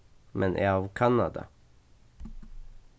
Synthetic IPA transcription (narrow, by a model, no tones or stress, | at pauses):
mʔɛnʔeːɑːʋkʰɑnɑ̰d̪ɑ̰